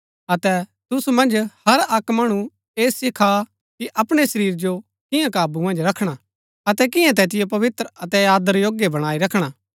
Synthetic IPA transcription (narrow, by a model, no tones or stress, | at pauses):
ɐt̪ɛt̪ʊsumɐ̃nd͡ʒhɐɾɐkmɐːɽ̃ũ | eːsɪkʰa | kiʔɐpɽ̃esɐɾiːɾd͡ʒo | kɪ̃jãkaːbumɐ̃nd͡ʒɾɐkʰɽ̃a | ɐt̪ɛk̬ɪ̃jãt̪ɛːt̪ɪjop̬ɐʋɪt̪ɾəɐt̪ɛjaːd̪əɾjoːɡjebɐɽ̃aːiɾɐkʰɽ̃aː